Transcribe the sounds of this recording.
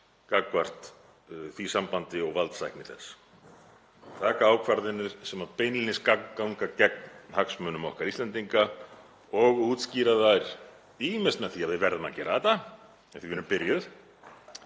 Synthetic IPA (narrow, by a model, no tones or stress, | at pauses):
kakːvar̥t̪ | θvisampant̪ɪɔɣvalt̪sajhknɪθɛsː | t̪ʰaːkaaːwkʰvaɾðɪnːɪɾ̥sɛmapeːjnlinɪskakŋkːawŋkacɛk̚nhaksmœnʏmɔhkaɾist̪lɛnt̪iŋka | ɔɣuːt̪sciːɾaðajɾ̥ | iːmɪst̪naθiaðvɪðvɛɾðʏma̰cɛːɾaðɛt̪a | ɛ̥θivɛːɾʏmpɪɾjʏð